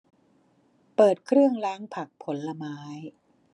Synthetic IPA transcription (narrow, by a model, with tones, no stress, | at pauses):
pɤː˨˩t̪̚kʰɾɯ˥˩əŋɾaː˦˥ŋpʰa˨˩k̚pʰo˩˦nla˧maː˦˥j